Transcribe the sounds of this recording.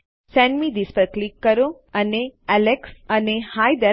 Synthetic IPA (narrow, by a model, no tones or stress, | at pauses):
sɛ̃ɳɖmiːd̪ispəɾklikːɐɾu | ɐneæleksɐnehajd̪ɛ